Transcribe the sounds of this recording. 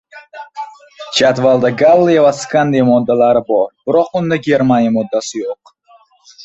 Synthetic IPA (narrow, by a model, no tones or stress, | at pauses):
t͡ʃʰat̪valˠd̪aɡalˠːijavaskand̪ijamɔd̪ːalaɾɪbɒɾb̥ɪɾɒqʊnd̪aɡʲe̞ɾmanjamɔd̪ːasɪjoq̚